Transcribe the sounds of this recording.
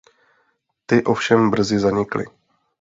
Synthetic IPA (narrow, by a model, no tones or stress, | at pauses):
t̪ɪʔo̞fʃɛmbr̩zɪzaɲɪklɪ̰